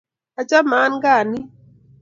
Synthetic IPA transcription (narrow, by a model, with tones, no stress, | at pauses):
a˨t͡ʃa˦ma˨˦nɡa˦˨ni˦